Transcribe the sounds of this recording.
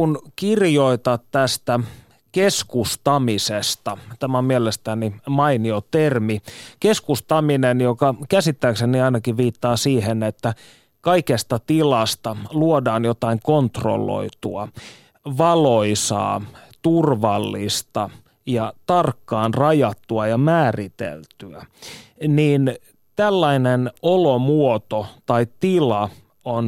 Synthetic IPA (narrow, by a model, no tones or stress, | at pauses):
unkirjoit̪ɑt̪t̪æst̪æ | keskust̪ɑmisest̪ɑt̪æmæmielest̪ænimɑiniot̪ermikeskust̪ɑminenjokɑkæsit̪ːæːkseniɑinɑkiʋiːt̪ːɑːsiːhenet̪ːæ | kɑikest̪ɑt̪ilɑst̪ɑluodɑːnjot̪ɑiŋkont̪ro̰lːo̰it̪uɑ | ʋɑloisɑ̰ːt̪urʋɑlːist̪ɑ | jɑt̪ɑrkːɑːnrɑjɑt̪ːuɑjɑmæːrit̪ḛlt̪yæ | niːn | t̪ælːɑinenolomuot̪ot̪ɑit̪ilɑ | on